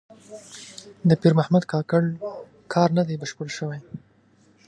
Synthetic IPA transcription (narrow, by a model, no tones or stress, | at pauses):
d̪əpiɾmahmad̪kɑkaɽ | kʰɑɾnad̪ajbaʃpʊlʃəwaj